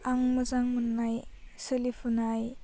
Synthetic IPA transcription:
aŋmɐzaŋmunːaj | səlipʰunaj

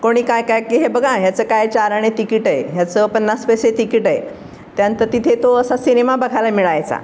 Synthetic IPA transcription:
koɽ̃iːkajkajkiɦebəɡʱaɦjat͡səːkajt͡ɕaɾaɳ̃et̪ikiʈaejat͡səpənːaspəjset̪ikiʈaḛ | t̪jant̪əɾt̪it̪ʰet̪oəsasinemabəɡʱalamiɭajt͡sa̰

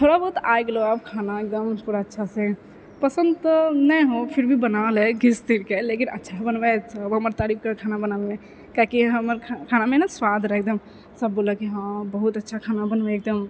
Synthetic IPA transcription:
t̪ʰoɽabəɦut̪ajɡeloab̚kʰanaek̚d̪əmtʰuɾaətːʃʰasẽ | pəsə̃nd̪t̪nəjɦopʰiɾbʱibənalɛɡist̪iɾkelekinʔə̰tːʃʰabənbɛsəbɦəməɾt̪aɾip̚kakʰaːnabənalmẽ | kakiɦəməɾkʰkʰanamẽnaswad̪ʱɾɛɦk̚d̪əm | səbːoləkiɦãbəɦut̪ətːʃʰakʰanabənbeek̚d̪əm

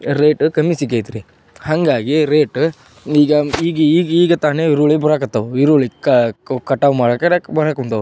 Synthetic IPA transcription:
ɾeːʈkɐmːisikejt̪ɾi | hɐŋɡaːɡiɾeːʈ | iːɡɐiːɡiiːɡiːɡɐt̪aːneiɾuʋɭibɐɾakɐt̪ːɐʋuiɾuɭikɐkɐʈːaːʋmaːɽɐkɐbɐɾakunt̪ɐʋu

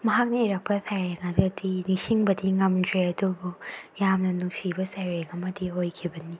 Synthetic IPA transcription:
mɐɦak̚neiɾɐk̚pɐsʰajɾeŋadɐdinisiŋbɐdiŋɐmdɾeɐdubujamnɐnuksibɐsajɾeŋɐmɐdiojkʰibɐni

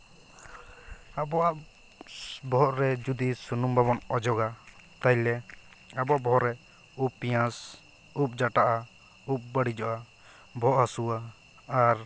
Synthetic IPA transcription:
abɔaʔ | bɔʔɾɛd͡ʒud̪isunumbʱaβɔnɔd͡ʒɔɡat̪ajlɛ | abɔaʔbɔɔɾɛ | upːijãs | up̚d͡ʒaʈaʔa | up̚baɽid͡ʒɔʔa | bʱɔʔɦasuaː | ɾ

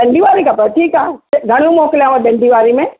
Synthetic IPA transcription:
ɗɐ̃ɳɖiʋaːɾikapɐʈʰiːkaːɡʱɐɽ̃jũmɔːkɪlijãʋãɗɐ̃ɳɖʱiʋaːɾimẽ

